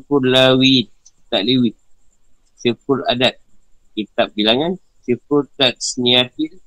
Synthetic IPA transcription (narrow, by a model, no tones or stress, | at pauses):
furlawit̪̚ | it̪aʔ̚liwit̪̚ | sifʊɾa̰dat̪̚kit̪ap̚bilaŋan | sifurtat̪̚sniat̪il